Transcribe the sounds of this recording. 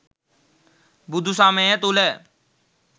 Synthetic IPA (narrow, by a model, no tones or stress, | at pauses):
bʊd̪usãːmẽːẽːt̪oːlɛː